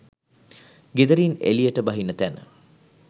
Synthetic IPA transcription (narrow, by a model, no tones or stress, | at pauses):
ɡed̪əɾiːnḛlijəʈəbɐɦinːət̪ænə̰